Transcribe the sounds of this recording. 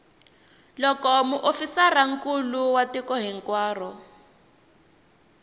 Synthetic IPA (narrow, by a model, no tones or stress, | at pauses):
lɔkɔmuʔofisaraŋ̩kuluwatikɔɦiŋkwaːrɔ